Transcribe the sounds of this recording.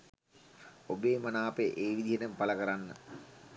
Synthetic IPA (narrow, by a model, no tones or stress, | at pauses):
obeːmɐnaːpeʔeːʋid̪iɦenəmpaləkəɾanːə